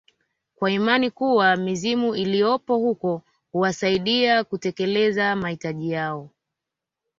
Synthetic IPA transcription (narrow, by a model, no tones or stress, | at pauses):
kwaimanikuwamizimuilijɔpɔhukɔ | huwasaiɗiakutɛkɛlɛzamahitaʄijaɔ